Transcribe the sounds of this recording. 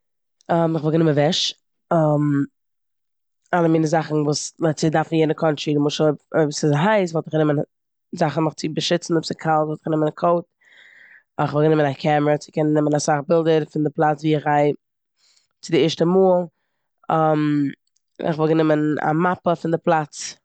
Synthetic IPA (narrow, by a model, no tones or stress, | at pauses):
ɔmɪχvɔlˠɡənɪmənvɛʃ | am | alˠəmiːnəzaχn̩vuːst͡sɪdafn̩jɛnəkʰɔnt͡ʃiːdɪmʊʃəbsɪzɦaɪs̬vɔlˠtɪχɡənɪmən | zaχn̩nʊχt͡sɪbəʃɪt͡sn̩ʊbsɪkʰalˠtvɔlˠtə̥χɡənɪmənkʰoʊt̚ | ɪχvɔlˠɡənɪmənakʰɛməɾət͡sɪ̥kɛnnːɪmənasaχbɪlˠdəɾfɪndɪplˠat͡sviːɪχaɪ | t͡sɪdɪɪʃtəmuːlˠ | ɔm | ɪ̰χvɔlˠɡənɪməna̰mapəfɪndɪplˠat͡s